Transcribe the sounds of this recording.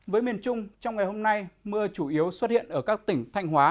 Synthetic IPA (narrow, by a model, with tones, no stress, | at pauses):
vəː˨˦jmi˨˩ənt͡ɕʊ˧ŋ͡mt͡ɕɔ˧wŋ͡mŋa˨˩jɦo˧mna˧jmɨ˧ət͡ɕu˧˩ʔi˨˦əwswə˦˥t̚hḭ˧˨ənʔəː˧˩kaː˦˥k̚t̪ï˧˩ŋ̟t̪ʰa˧jŋ̟ɦwaː˨˦